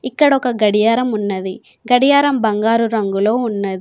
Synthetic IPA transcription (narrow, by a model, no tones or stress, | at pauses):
ikːɐɽɔkɐɡɐɽijaːɾɐmunːɐd̪i | ɡɐɽijaːɾɐmbɐŋɡaːɾuɾɐŋɡulo̞ːunːɐd̪i